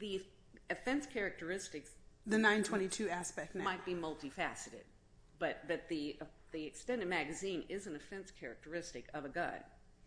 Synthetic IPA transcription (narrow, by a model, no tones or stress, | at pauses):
ði | ɨfɛ̃nskʰɛɹɨk̚tə˞ɪstɨksðɨnãɪ̃ntʰw̥ɛ̃ɾ̃itʰʉæspɛk̚tnmaɪt̚b̥imʌlˠtifæsɨɾɨ̰d̚ | b̥ʌt̚b̥ʌt̪̚ði | ðiɨkstɛ̃ndɨd̚mæɡɨzĩnɪzɨ̃nɨfɛ̃nskʰɛɹɨ̰k̚tə˞ɪstɨkʌvɨɡʌ̰̃n